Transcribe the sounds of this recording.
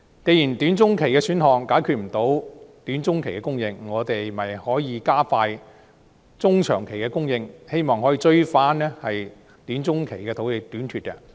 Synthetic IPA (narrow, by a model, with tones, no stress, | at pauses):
ke˨˧jiː˨˩nt̪yː˨˥nt͡sʊ˥ŋkʰe˨˩jkɛː˧syː˨˥nhɔː˨ŋkaː˨˥jkʰyː˧t̚m̩˨˩t̪o˨˥wt̪yː˨˥nt͡sʊ˥ŋkʰe˨˩jkɛː˧kʊ˥ŋjɪ˧ŋːɔː˨˧t̪e˨jmɐ˨˩jhɔː˨˥jiː˨˧kaː˥faː˧j | t͡sʊ˥ŋt͡ʃʰœ̰ː˨˩ŋkʰe˨˩jkɛː˧kʊ˥ŋjɪ˧ŋhe˥jmɔː˨ŋhɔː˨˥jiː˧t͡ʃɵ˥ɥfaː˨˥nɛː˥hɐ˨j | t̪yː˨˥nt͡sʊ˥ŋkʰe˨˩jkɛː˧t̪ʰo˨˥whe˨˧jt̪yː˨˥nt̪ʰyː˧t̚kɐ˧